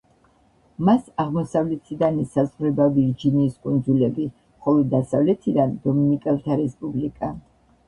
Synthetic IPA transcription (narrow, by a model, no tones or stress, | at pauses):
masaʁmɔsavlɛt̪ʰid̪anisazʁɾɛbavid͡ʒiniːskʼund̪zulɛbi | χɔlˠɔd̪asavlɛt̪ʰid̪and̪ɔminikʼɛlˠt̪ʰaɾɛspʼublikʼa